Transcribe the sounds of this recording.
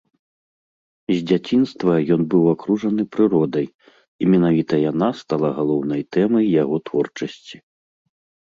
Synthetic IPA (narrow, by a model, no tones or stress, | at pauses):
zʲd͡zʲat͡sʲinst̪vɐjɔnbɨwakɾuʐɐnɨpɾɨɾɔd̪ɐj | imʲɛnavʲit̪ɐjanast̪alˠaɣalˠɔwnɐjt̪ɛmɐjːaɣɔt̪vɔrt͡ʂɐsʲt͡sʲi̥